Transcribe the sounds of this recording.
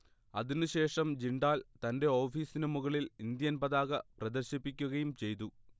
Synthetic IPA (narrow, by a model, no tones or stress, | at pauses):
ɐðinɨɕe̞ːʂɐmd͡ʑiɳɖaːlt̪ɐnde̞o̞ːfiːsinɐmuɣɐɭilind̪jɐnpɐðaːɣɐprɐd̪ɐrɕipːikʲːuɣɐjumt͡ɕe̞jt̪u